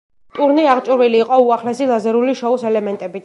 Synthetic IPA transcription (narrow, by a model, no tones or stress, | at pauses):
t̪ʼuɾniaʁt͡ʃʼuɾviliːqʼɔuaχlɛsilˠazɛɾuliʃɔusɛlɛmɛnt̪ʼɛbit̪